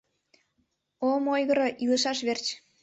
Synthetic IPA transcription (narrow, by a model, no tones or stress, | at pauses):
omojɣəɾoʔiləʃɑʃβert͡ɕ